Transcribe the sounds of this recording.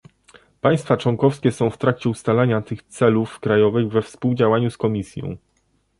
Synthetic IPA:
paj̃st̪fat͡ʂwɔŋkɔfskʲɛsɔ̃w̃ft̪ɾakt͡ɕɛust̪alaɲat̪ɘxt̪sɛlufkɾajɔvɘɣvɛfspuwd͡ʑawaɲuskɔmʲisʲjɔ̰̃w̃

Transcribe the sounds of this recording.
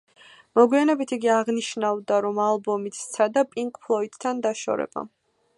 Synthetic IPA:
mɔɡwianɛbit̪ʰiɡiaʁniʃnavd̪aɾɔmalˠbɔmit̪ʰt̪sʰad̪apʼiŋkʼpʰlˠɔit̪t̪ʰːand̪aʃɔ̰ɾɛ̰b̥a̰

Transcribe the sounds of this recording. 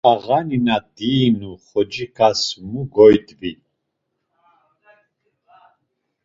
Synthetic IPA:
aʁaninad̪iːnuχɔd͡ʒikʰasmuɡɔjd̪bi

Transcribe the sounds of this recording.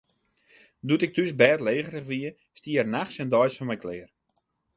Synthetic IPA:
dutɪk̚tysbɛːtleːχərəχʋiə | stiərnaχsɛndɔjsfɔnmɛjklɪər

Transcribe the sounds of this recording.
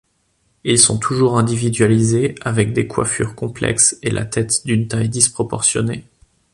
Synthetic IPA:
ilsɔ̰̃t̪ʰuʒuʁɛ̃d̪ivid̪ɥalizeavɛk̚d̪ekwa̰fy̰ʁkɔ̃plɛ̰kselʔa̰t̪ɛt̪d̪ynt̪ajd̪ispχɔpɔʁsjɔne

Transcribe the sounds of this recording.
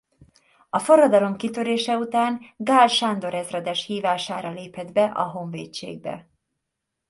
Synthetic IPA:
ɒfo̞rːɒd̪ɒlo̞mkit̪ø̞ɾeːʃɛut̪aːŋɡaːlʃand̪o̞ɾɛzrɛd̪ɛʃhiːvaːʃaːɾɒleːpɛd̪bɛʔɒɦo̞ɱvḛːt͡ʃːḛːɡ̚bɛ̰

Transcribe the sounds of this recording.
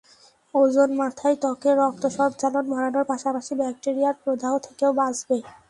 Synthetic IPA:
od͡ʑonmat̪ʰajt̪ɔkeɾɔk̚t̪oʃɔbt͡ɕalonbʱɔɽanoɾpaʃapaʃibɛk̚ʈeɾijaɾpɾod̪aɦot̪ʰekeobad͡ʑbe

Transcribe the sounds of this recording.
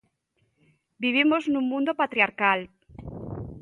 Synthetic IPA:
biβ̞imoznũŋmũnd̪opat̪ɾiaɾkal

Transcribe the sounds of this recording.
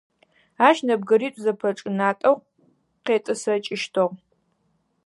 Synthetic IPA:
aːʃnɐb̚ɡɐɾiːtʷʼzɐpʰɐʈ͡ʂʼɨnaːtʼɐʁ | qeːtʼɨsɐt͡ʃʼɪʃtʰoʁ

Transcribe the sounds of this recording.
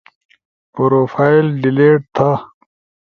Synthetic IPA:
poɾoːfaːjilɖileːʈ̚t̪ʰa

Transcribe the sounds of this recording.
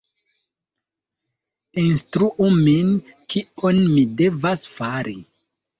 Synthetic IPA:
instɾuʔuminkionmide̞vasfaɾḭ

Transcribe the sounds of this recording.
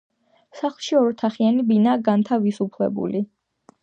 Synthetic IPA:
saχlˠʃiɔɾt̪ʰaχianibinaːɡant̪ʰavisupʰlɛ̰bṵli

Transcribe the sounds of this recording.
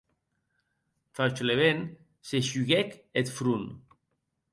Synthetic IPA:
falt͡ʃleβen | seʃyɣɛket̪fɾun

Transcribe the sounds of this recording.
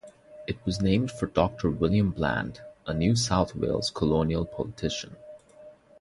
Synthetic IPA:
ɨt̚wʌznẽɪ̃md̥fə˞dɔk̚tʰə˞wɪlˠjə̃mblæ̰̃ndʔənjʉsaʊθwḛɪlˠz̥kʰəlõʊniəlˠpʰɑ̰lˠətʰɪʃə̃n

